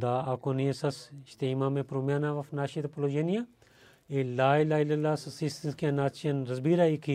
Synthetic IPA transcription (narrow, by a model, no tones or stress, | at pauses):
d̪aːaːkoniɐsɐsʃt̪eimãːmẽːpɾoːmjaːnaːʋɐfnaːʃit̪ɐploːd͡ʒeːnijaː | elaːilaːilɐlaːsɐsist̪ɐnskijãːnaːt̪t͡ʃɐnɾɐzbiːɾaːikʰi